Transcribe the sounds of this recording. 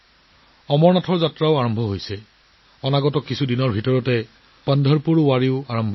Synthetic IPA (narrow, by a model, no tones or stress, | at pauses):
ɔmɔɹnatʰɔɹzatɹaʊaɹɔmbʱɔɦojsɛ | ɔnaɡɔtɔkisʰudinɔɹbʱitɔɹɔtɛ | pandʱɔɹpuɹwaɹiʊaɹɔmbʱɔ